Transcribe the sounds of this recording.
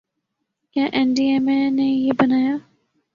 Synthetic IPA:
kjãːʔɛnɖiːɛːmẽnejebənaːjaː

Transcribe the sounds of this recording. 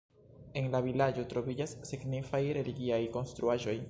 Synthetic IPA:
e̞nlavilad͡ʒo̞tɾo̞vid͡ʒasːiɡnifajɾe̞liɡiajko̞nstɾuaʒo̞j

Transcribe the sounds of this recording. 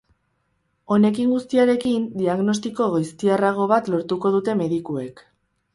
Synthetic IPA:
o̞ne̞kiŋɡust̪iaɾe̞kind̪iaɣno̞s̬t̪iko̞ɣajst̪iaraɣ̞o̞β̞at̪lo̞ɾt̪uko̞ð̞ut̪e̞me̞ðikue̞k

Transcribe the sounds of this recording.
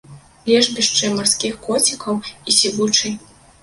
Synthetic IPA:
lʲɛʐbʲiʂt͡ʂɨmarskʲixkɔt͡sʲikɐwisʲivut͡ʂɨj

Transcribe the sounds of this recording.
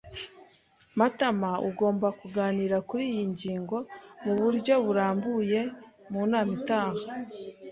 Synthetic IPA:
matamaṵɡo̞ːmbakuɡaːniːɾakuɾijiɲɟiːŋɡo̞muβuɾɟo̞βuɾaːmbuje̞muːnaːmitaːha

